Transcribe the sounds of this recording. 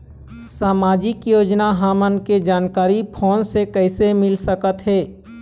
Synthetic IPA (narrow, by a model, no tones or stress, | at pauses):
saːmaːd͡ʒɪkjoːd͡ʒnaɦaːmənked͡ʒaːnkaːɾipʰoːnsekɛɪsemɪlsəkət̪ɦɛː